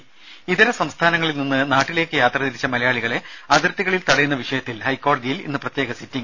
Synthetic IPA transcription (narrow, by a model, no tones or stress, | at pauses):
iðiɾɐsɐmst̪ʰaːnɐŋːɐɭilninːɨnaːʈːile̞ːkːɨjaːt̪rɐðiɾit͡ɕːɐmɐlɐjaːɭiɣɐɭe̞ɐðirt̪ːiɣɐɭilt̪ɐɽɐjunːɐʋiʂɐjɐt̪ːilhɐjkːo̞ːɽɐðijilḭnːɨprɐt̪jeːɣɐsitːiŋ